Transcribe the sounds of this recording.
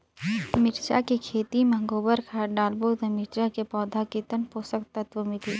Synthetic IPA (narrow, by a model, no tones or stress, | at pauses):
mɪʈt͡ʃa̰kikʰeːt̪iməŋɡoːbəɾkʰaːɖaːlbot̪ɐmɪʈt͡ʃakepɔːd̪ʱakit̪ənpoːsəkt̪ɐt̪ʋəmit̪ʰiː